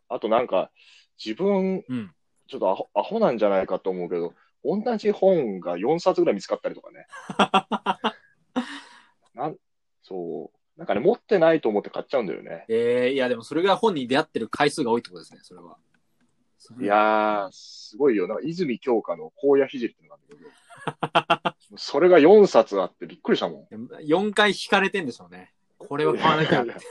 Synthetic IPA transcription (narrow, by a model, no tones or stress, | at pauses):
at̪o̞nãŋka | d͡ʑibɯ̟̃ɴɯ̟̃ɴ | t͡ɕot̪ːoaoaho̞nãɲ̟d͡ʑanaikat̪o̞ːmo̞ɯ̟ke̞d̪o̞ | õ̞nːaʑihõ̞ŋɡajõ̞ɰ̃sat͡sɨɡɯɾaimʲit͡sɨ̥kat̪ːaɾʲit̪kane̞ | nã | so̞ː | nãŋkanemo̞t̪ːe̞nait̪o̞ːmo̞t̪ːekʰat͡ɕːt͡ɕaɯ̟̃nd̪a̰jo̰nʔe̞̰eːiad̪e̞mo̞so̞ɾe̞ɡahõ̞ɲ̟ːid̪e̞jat̪ːe̞ɾɯ̟kʰaisɨːɡao̞ːit̪okot̪oesɨneso̞ɾe̞β̞a̰ | sjasɨɡo̞ijo̞nãŋkaizɨmʲikʲo̞ːkano̞kʰo̞ːjaçiʑiɾʲit̪ːenk̪ãnekeo | moso̞ɾe̞ɡajõ̞ɰ̃sat͡sɨat̪ːe̞bʲikːɯ̟ɾʲiɕit̪amõ̞ŋjajõ̞ŋkaiçi̥kaɾe̞t̪ẽ̞nd̪e̞sone̞ | kʰo̞ɾe̞β̞akaβanainae